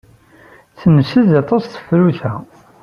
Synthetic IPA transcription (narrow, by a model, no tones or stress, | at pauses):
θənəsəðɑt̪ˤɑsθə̥fɾuθæ